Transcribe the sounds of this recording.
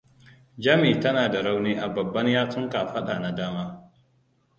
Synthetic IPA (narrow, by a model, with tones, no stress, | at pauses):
d͡ʒɐ˦miː˨tɐ˦naː˨da˨ɽa˦wneː˦ʔa˨bɐ˨bːɐ˦ɲjaː˦tʊ˦ŋka˨ɸɐ˦ɗa˨na˨daː˦maː˦